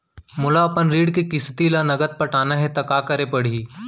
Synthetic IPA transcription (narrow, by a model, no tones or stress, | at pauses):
mʊlaɐpənɾiːɽkikɪst̪ilanɐɡət̪̚pɐʈaːnaɦɛt̪ɐkaːkɐɾepɐɽ̤iː